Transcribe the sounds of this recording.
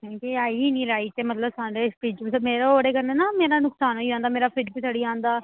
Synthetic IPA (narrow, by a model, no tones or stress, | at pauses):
kõːkeaːiːnĩːɾaːiːt̪eːmət̪ləbsaːɖeːspiːd͡ʒsəmeːɾooːɽeːkəɾneːnaːmeːɾaːnʊksaːnɦoːiãːnd̪aːmeːɾaːpʰɪɾbiːsaɽiːãːnd̪aː